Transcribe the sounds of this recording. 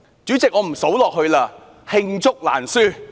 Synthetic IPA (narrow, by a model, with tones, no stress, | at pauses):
t͡syː˨˥t͡sɪ˨k̚ŋɔː˨˧m̩˨˩so˨˥wlɔː˨k̚ɦɵ˧laː˧ | hɪ˧ŋt͡sʊ˥k̚la̰ː˨˩nsyː˥˩